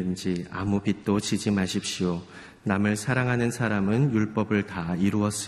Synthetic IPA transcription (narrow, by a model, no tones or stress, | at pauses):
ɯnd͡ʑia̰mupit̚t͈ot͡ɕid͡ʑimaɕʰipɕ͈io | namɯɭsʰaɾaŋɦanɯnsʰaɾamɯnjuɭp͈ʌbɯɭtaiɾuʌs͈ɯ